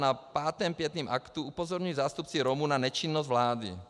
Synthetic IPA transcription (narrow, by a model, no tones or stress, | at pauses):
napaːt̪ɛːmpjɛt̪niːmʔakt̪uupozoɾɲujizaːst̪up̚t͡siɾomunanɛt͡ʃinːozd̪vlaːdḭ